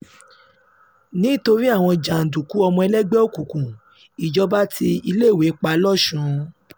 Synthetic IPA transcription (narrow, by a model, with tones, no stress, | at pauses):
nĩ˨˦to˧ɾi˦a˦˨w̃ɔ̃˧d͡ʒã˨n̩˨du˨ku˨˦ɔ˧mɔ̃˧ɛ˧lɛ˦ɡ͡bɛ˦o˦˨ku˨kũ˨ | i˨d͡ʒɔ˨˦ba˦tʰi˧i˧le˦˨we˨˦k͡pa˧lɔ˦˨ʃũ˨˦